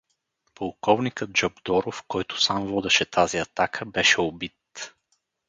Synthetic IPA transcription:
polˠkɔvnikəd̪̚d͡ʒɔbd̪ɔɾofkɔjt̪ʊ̥samvɔd̪ɛʃɛt̪ʰaziɐt̪akʰəbɛʃɛobit̪

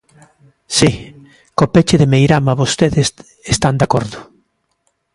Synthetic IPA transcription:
si | kopet͡ʃɪðemejɾamaβost̪eðes | est̪and̪akɔɾðʊ

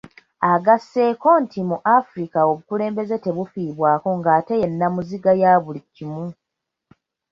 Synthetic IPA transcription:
aɡasːe̞ːko̞ntimuʔafuɾikao̞βukule̞ːmbe̞ze̞te̞βufiːβwaːko̞ŋɡaːte̞jenːamuziɡajaːβulicːimu

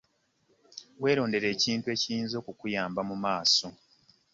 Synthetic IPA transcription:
we̞ːɾo̞ːnde̞ɾe̞ːciːntue̞ːciiːnzo̞ːkukujaːmbamumaːso̞

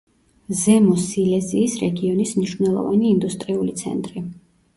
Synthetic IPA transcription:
zɛmɔsilɛziːsɾɛɡiɔnismniʃvnɛlˠɔ̰va̰niːnd̪ust̪ʼɾiulit̪sʰɛ̰nt̪ʼɾi

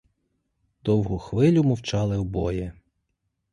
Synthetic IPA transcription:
d̪̥ɔwɦʊxʋɪlʲʊmɔwt͡ʃɑlˠɪɔbɔjɛ

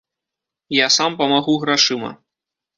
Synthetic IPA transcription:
jasampɐmaɣuɣɾaʂɨmɐ̰

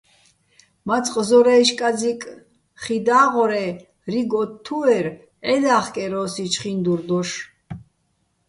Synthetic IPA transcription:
mat͡sʼqʼzɔɾɛʃkʼad͡zikʼ | χid̪aːʁɔɾɛ | riɡɔt̪ʰːuɛɾ | ɛd̪aːχkʼɛɾɔːsit͡ʃʰχind̪uɾd̪ɔʃ

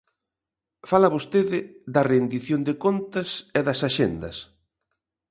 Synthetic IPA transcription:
falɐβost̪eðɪðɐrend̪iθjond̪ɪkont̪ɐsɛðɐsaʃend̪ɐ̰s

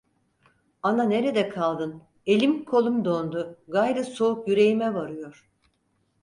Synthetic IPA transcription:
anane̞ɾed̪ɛkʰalˠd̪ɯn | e̞lʲimkʰo̞lˠumd̪o̞nd̪ʊɡajɾɯso̞ukjyɾe̞jimɛvaɾɯjo̞ɾ̥

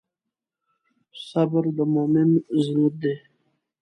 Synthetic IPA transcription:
sabəɾd̪əmomɪmzɾut̪̚d̪e

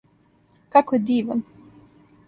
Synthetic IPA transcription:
kakojed̪iːʋan

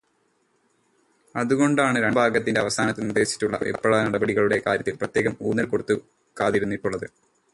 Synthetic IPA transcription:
ɐðuɣo̞ɳɖaːɳɨɾeɳbʱaːɡɐt̪ːinde̞ɐʋɐsaːnɐt̪ːɨnird̪e̞ːɕi̥tːuɭːɐ̰ʔḛpːɐɭɐnɐɽɐbɐɽiɣɐɭuɽe̞ka̰ːɾjɐt̪ːilprɐt̪ːje̞ːɣɐmuːnːɐlkoɽut̪ːu | kaːt̪iɾunːiʈːuɭːɐðɨ

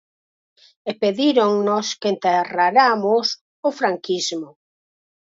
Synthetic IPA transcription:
epeðiɾoŋnoskent̪eraɾamʊs | ʊfɾaŋkizmʊ

